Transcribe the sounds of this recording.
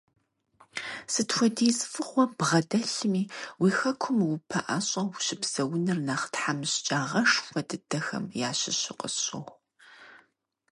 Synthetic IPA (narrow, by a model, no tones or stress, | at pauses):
sɨtxʷɔdiːzfɨχʷɔbʁɐdɐɬɨmiːwiːxɐkʷʰʊmwʊpʰɐʔaɕʼɐwɕɪbz̥ɐwʊnɨrnaːχtħamɨɕt͡ʃʼaːʁɐʂxɐdɨdɐxɐ̰mjaːɕɪɕɪqʼə̰ɕʼɐ̰χ